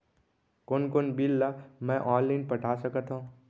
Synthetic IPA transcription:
koːnkoːnbilːamɛ̃ʔɔːlːinpɐʈʰaːsəkət̪ɦõ

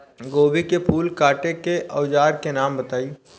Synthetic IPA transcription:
ɡoːbikepʰuːlkaːʈekeʔɐʊd͡ʒaːɾkenaːmbɐt̪aːiː

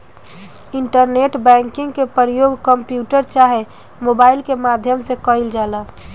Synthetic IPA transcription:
ɪɳʈəɾneʈbɛ̃ŋkɪ̃ŋɡkepəɾjoɡkəmpjuːʈəɾt͡ʃaɦe | mobaːɪilkemaːd̪ʱjəmsekəɪld͡ʒaːla

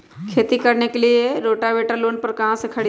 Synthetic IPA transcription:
kʰet̪iːkəɾɳjakelijeɾoʈaʋeʈalonpəɾkaɦãsəkʰaɽi

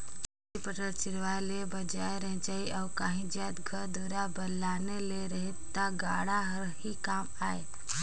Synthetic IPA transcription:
ipəʈəɾt͡ʃɪɾʋaelebəd͡ʒaːeɾəɦd͡ʒaːiʔaːkaːɦĩd͡ʒjat̪ɡʱəɾd̪əɾabəlːaːneleɾəɦet̪ːaɡaɽaɦəɾɦikaːmaːe

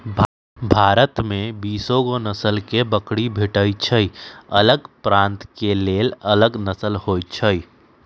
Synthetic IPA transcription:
bʱaːɾət̪mẽbiːsõɡonəsəlkebəkɽibʱɪʈəit͡ʃʰəiɐləɡpɾãːnt̪keleːlələɡnəsəlhoːjt͡ʃʰəi

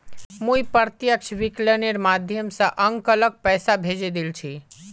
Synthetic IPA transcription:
mũipəɾt̪jəkʃʰʋikleneɾmad̪ʱjəmsə̃ʔəŋkələk̚pɛsabʱed͡ʒed̪ilt͡ʃʰi

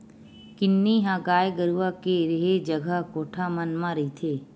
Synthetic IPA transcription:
kɪnːiɦãːɡaːjɡəɾuʋakeɾeɦed͡ʒɐɡʱəɦkoːʈʰamɐnmãɾɐit̪ʰeː

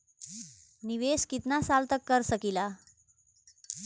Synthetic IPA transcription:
niʋeskit̪nasalt̪əkːəɾsəkila

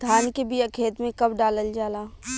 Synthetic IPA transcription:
d̪ʱaːnkebijakʰeːt̪mẽkɐbɖaːləld͡ʒaːlaː

